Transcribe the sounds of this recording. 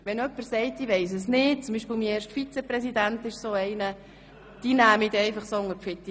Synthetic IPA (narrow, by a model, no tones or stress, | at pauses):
ʋɛnœpːəɾsɛɪt̪ːiʋɛɪs̬əsnɪːt̚t͡sʊmbiːʃpɪːlmiːeːɾʃtfit͡sɛpɾɛsid̪ænt̪ɪʃsoːɛɪnə | d̥inæːmid̪ɛɪfɑχsoːʊŋəɾpfɪt̪ːi